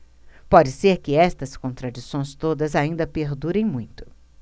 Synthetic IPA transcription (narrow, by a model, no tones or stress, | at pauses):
pɔd͡ʒɪseɾkɪɛst̪ɐskõnt̪ɾad͡ʒisõj̃st̪od̪ɐzaĩnd̪ɐpeɾd̪uɾẽj̃mũj̃t̪ʊ̥